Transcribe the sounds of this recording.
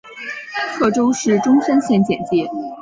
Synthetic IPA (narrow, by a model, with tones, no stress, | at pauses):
kʰɤ˥˩ʈ͡ʂo˥ʊʂɻ̩˥˩ʈ͡ʂʊ˥ŋsə˥nɕjɛ˥˧nt͡ɕjɛ˨˩nt͡ɕi˥˩